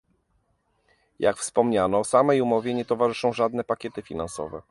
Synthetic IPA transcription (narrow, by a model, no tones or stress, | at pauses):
ja̰kfspɔmɲanɔsamɛjumɔvʲjɛɲɛt̪ɔvaʐɘʂɔ̃w̃ʐad̪nɛpakʲɛt̪ɘfʲinansɔ̰vɛ